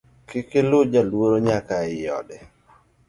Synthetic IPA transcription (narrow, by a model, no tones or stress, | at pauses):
kɪkɪlʊd͡ʒalwoɾoɲakaɪjɔ̰dɛ